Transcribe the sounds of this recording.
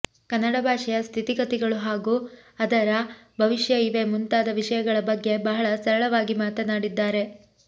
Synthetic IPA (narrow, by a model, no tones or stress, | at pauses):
kɐnːɐɽɐbʱaːʂɛjɐst̪ʰit̪iɡɐt̪iɡɐɭuɦaːɡuːɐd̪ɐɾɐbʱɐʋiʂjɐiʋe̞munt̪aːd̪ɐʋiʂɐjɐɡɐɭɐbɐɡːe̞bɐɦɐɭɐsɐɾɐɭɐʋaːɡimaːt̪ɐnaːɽid̪ːaːɾe̞